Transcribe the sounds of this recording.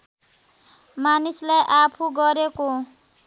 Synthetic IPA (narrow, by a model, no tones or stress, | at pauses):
manislajʔapʰuɡʌɾeko